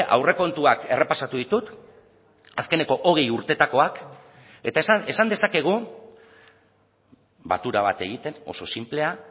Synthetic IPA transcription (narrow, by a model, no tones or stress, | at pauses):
ʔa̰wre̞ko̞nt̪uake̞re̞pasat̪uðit̪ut̪ | aske̞ne̞ko̞ʔo̞ɣ̞ejuɾt̪e̞t̪ako̞ak | e̞t̪ase̞sand̪e̞sake̞ɣ̞u | ba̰t̪uɾaβ̞at̪e̞ɣ̞it̪e̞no̞̰so̞simple̞a